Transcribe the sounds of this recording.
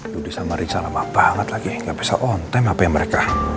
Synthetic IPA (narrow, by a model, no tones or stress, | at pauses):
dudisamaɾit͡ʃalamahb̥aŋət̪laɡiŋɡaʔbisa̰ʔɔnt̪ɛmapajaməɾeka